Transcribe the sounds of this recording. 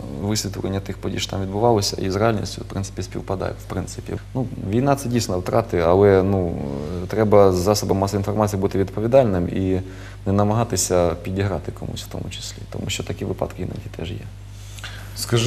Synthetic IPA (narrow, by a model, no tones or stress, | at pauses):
ʋɪsʲʋʲit̪ʊlḛnʲːɐt̪ɪxpɔdʲḭʃt̪ɑmʋʲid̪bʊʋɑlˠɔsʲɐ̰izrealʲnʲḭsʲtʲʊwpɾɪnsɪ̥pʲisʲpʲiwpɐd̪ɑ̰jɛ̰wpɾɪnsɪpʲḭnuʋʲijnɑt̪sɛdʲijsʲnɔwt̪ɾɑt̪ɪɐlˠɛnut̪ɾɛbɐzːɑsɔbɐmːɑsɔinfɔrmat͡sʲijbut̪ɪʋʲid̪pɔʋʲid̪ɑlʲnɪmi | nɛnɐmɐɦɑt̪ɪsʲɐpʲidʲiɦɾɑt̪ɪkɔmṵsʲft̪ɔ̰mʊt͡ʃɪ̥sʲlʲḭt̪ɔmuʃt͡ʃɔt̪ɐkʲiʋɪpɑ̰d̪kɪina̰tʲit̪ɛʒjɛ̰ | skɐʒ